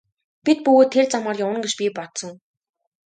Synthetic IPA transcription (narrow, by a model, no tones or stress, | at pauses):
pʲit̪̚pɵɣoːt̪ʰːert͡samaːrjawə̆ŋɡet͡ɕpʲipɔt̪sɞ̆ŋ